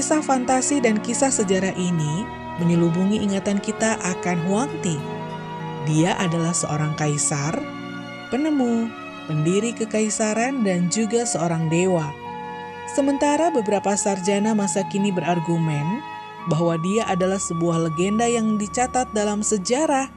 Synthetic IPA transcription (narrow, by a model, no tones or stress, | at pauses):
kisahfant̪asidankisahsəd͡ʒaɾaʔini | məɲəlubuŋiʔiŋat̪ankit̪aʔakanɦuant̪i | diaʔadalahsəʔoɾaŋkaisar | pənəmu | pəndiɾikəkaisaɾandand͡ʒuɡasəoɾaŋdewa | səmənt̪aɾabəbəɾapasard͡ʒanamasakinibəɾarɡumɛn | baɦwadiaʔadalahsəbuahləɡendajaŋdit͡ʃat̪at̪̚dalamsəd͡ʒaɾah